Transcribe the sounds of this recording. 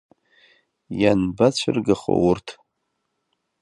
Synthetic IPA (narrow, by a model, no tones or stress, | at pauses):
janbat͡ɕʷʰɪrɡaχo̰wʊrtʰ